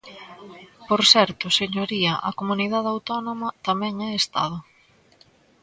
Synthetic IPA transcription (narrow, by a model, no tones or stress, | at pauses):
poɾsɛɾt̪ʊseɲoɾiɐʔɐ̰komuniðaðawt̪ɔnomɐt̪amɛŋɛest̪a̰ð̞ʊ